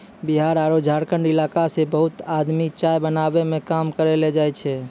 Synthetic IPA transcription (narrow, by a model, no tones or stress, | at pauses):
biɦaɾaɾod͡ʒʱaɾkəɳɖilakasebəɦut̪ad̪mit͡ʃajbənabemẽkamkəɾeled͡ʒajt͡ʃʰɛ